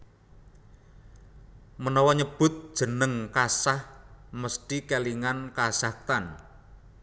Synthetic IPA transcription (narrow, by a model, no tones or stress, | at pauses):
mənɔwɔɲəb̥ʊt̪̚d̥ʒ̥ə̤nəŋkasahməst̪ikeliŋankasak̚t̪an